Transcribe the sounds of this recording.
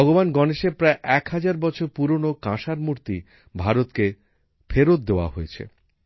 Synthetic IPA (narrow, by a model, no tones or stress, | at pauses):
ɔɡobanɡɔneʃepɾaeʔɛkɦad͡ʑaɾbɔt͡ɕʰoɾpuɾonokãʃaɾmuɾt̪i | bʱaɾot̪ke | fʰeɾot̪̚d̪eoa̰ɦoet͡ɕʰḛ